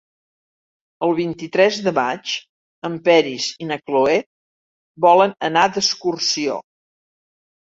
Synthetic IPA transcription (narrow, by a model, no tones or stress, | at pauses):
əlˠβint̪it̪ɾɛzðəmat͡ʃ | əmpɛɾizinəkloɛ | bɔlənənad̪əskursio̰